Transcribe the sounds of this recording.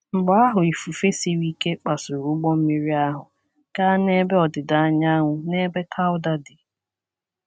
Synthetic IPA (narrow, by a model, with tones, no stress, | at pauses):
ŋ͡m̩˨ɡ͡bɔ˦a˦ɦʊ˨i˨fu˨fe˦si˦ɾi˦ke˦k͡pa˨sʊ˨ɾu˨˦ɡ͡bɔ˦m̩˦mi˦ɾi˦a˦ɦʊ˨ | ka˦ne˦be˦ɔ˨dɪ˨da˨a˦ɲa˦ŋʷʊ˨ne˦be˦kʰa˦ʊ˦da˦dɪ˨